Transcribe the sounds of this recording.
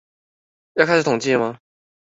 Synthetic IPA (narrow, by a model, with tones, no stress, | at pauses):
jɑ˥˧kʰa˥˩sʂ̩˩t̪ʰʊ˨˩ŋt͡ɕi˥˩mɐ˧